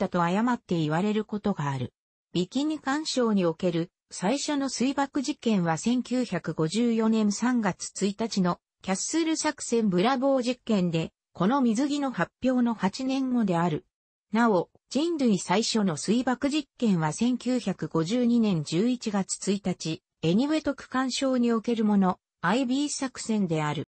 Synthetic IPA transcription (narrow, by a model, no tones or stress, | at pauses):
t̪ːat̪o̞ajamat̪ːe̞iβaɾe̞ɾɯ̟ko̞t̪o̞ɡaːɾɯ̟ | b̥ʲikʲiɲikãɰ̃ɕo̞ːɲ̟io̞ke̞ɾɯ̟ | saiɕo̞no̞sɨibakɯ̟ʑikẽ̞ɰ̃βasẽ̞ŋkʲɨːçakɯ̟ɡo̞ʑɨːjo̞nẽ̞nsãŋɡat͡sɨ̥t͡sɨit̪at͡ɕino̞ | kʲaseɾɯ̟sakɯ̥sẽ̞mbɯ̟ɾabo̞ːʑikːẽ̞nd̪e̞ | ko̞no̞mʲizɨɡʲino̞hapʲːjo̞ːno̞hat͡ɕinẽ̞ŋɡo̞d̪e̞aɾɯ̟ | nao̞ | d͡ʑĩnd̪ɯ̟isaiɕo̞no̞sɨibakɯ̟ʑikːẽ̞ɰ̃β̞asẽ̞ŋkʲɨːçakɯ̟ɡo̞ʑɨːɲ̟inẽ̞ɲ̟d͡ʑɨːit͡ɕiɡat͡sɨ̥t͡sɨit̪at͡ɕi | e̞ɲ̟iβe̞t̪o̞kɯ̟̥kãɰ̃ɕo̞ːɲ̟io̞ke̞ɾɯ̟mo̞no̞ | aibʲiːsakɯ̟̥sẽ̞nd̪e̞aɾɯ̟̰